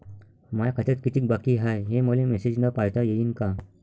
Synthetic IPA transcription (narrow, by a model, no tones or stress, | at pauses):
majakʰat̪at̪kit̪ik̚bakiɦajɦeməlemesed͡ʑnapajt̪ajejiːnka